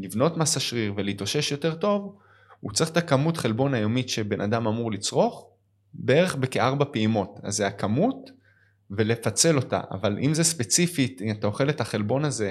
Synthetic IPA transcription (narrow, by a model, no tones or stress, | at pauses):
livno̞tmasaʃʁiʁveliiːto̞ʃe̞ʃjo̞te̞ʁto̞v | ut͡sʁiχt̪akamutχe̞lbo̞najo̞miʃe̞be̞nʔa̰damamuʁlit͡sʁo̞χ | be̞e̞ʁe̞χbekeaʁbapeimo̞ta̰zeakamut | ve̞lefat͡se̞lo̞ta̰ʔa̰valʔḭmzespe̞t͡sifitatao̞χe̞le̞thaχe̞lbo̞naze̞